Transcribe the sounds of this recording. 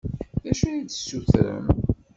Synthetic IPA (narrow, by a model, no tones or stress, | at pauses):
ðæʃujit͡sːə̥sːuθɾə̰m